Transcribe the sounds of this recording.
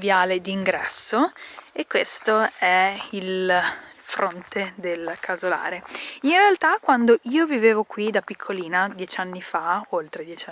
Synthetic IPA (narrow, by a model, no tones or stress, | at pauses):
vjaːled̪iːŋɡɾɛ̰sːoekːwest̪oɛil | fɾont̪ʰed̪elkʰazola̰ːɾeinrealt̪akwand̪oʔiːoviveːvokwid̪apikʰːoliːnad̪jɛt͡ʃanːifaolt̪ɾed̪jɛt͡ʃ